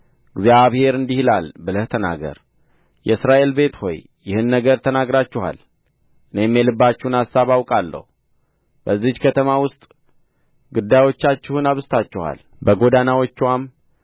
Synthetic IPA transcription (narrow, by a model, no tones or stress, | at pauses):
ɨɡzjaβhe̞ɾɨnd̪ihlalbəlɨht̪ʰəna̰ɡə̰ɾ | jɛɨsɾaʔe̞lbe̞t̪ho̞̰j | jɪhɨnːəɡəɾt̪ʰənaɡɾat͡ʃːɪha̰l | ʔɨnejmːelɨbːat͡ʃːɛhunasːaβawkʼalːə̰hu | bəzːihkʰət̪ʰəmawʊst̪ʼ | ɡud̪ːajwo̞t͡ʃːat͡ʃːɪhunaβɨst̪ʰat͡ʃːɛha̰l | bəɡo̞d̪anawo̞t͡ʃːwam